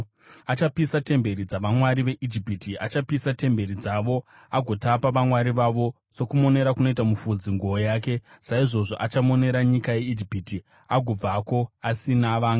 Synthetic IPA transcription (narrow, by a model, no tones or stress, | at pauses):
at͡ʃapisate̞mbe̞ɾid͡zaʋamwaɾiʋe̞ʔid͡ʒipitiat͡ʃapisate̞mbe̞ɾid͡zaʋo̞ | aɡʱo̞tapaʋamwaɾiʋaʋo̞ | so̞kumo̞ne̞ɾakuno̞itamufud͡ziŋɡuojaːke̞ | saiʐo̞ʐo̞ʔat͡ʃamo̞ne̞ɾaɲikaje̞id͡ʒipiti | aɡʱob͡vako̞asinaʋaːŋɡ